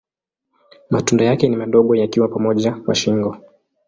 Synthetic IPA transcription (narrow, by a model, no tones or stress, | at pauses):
matundajakɛnimaɗɔɠɔjakiwapamɔʄawa̰ʃiŋɡɔ